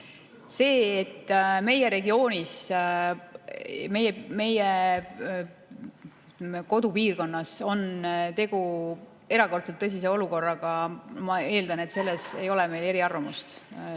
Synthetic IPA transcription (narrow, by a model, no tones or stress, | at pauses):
se̞ːet̪ːme̞jeɾe̞ɡio̞ːnʲis | me̞jeme̞je | meko̞d̪upiːrko̞nːɑso̞nt̪e̞ɡ̥u | e̞ɾɑko̞rt̪selt̪ːɤs̬is̬eo̞luko̞rːɑɡ̥ɑmɑe̞ːld̪ɑne̞t̪se̞lːese̞̰jo̞lɛme̞jle̞ɾiɑrvɑmust̪